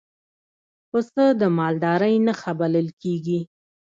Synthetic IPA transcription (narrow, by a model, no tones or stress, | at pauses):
pəsəd̪əmɑld̪ɑɾəjnaxabaləlkeɡi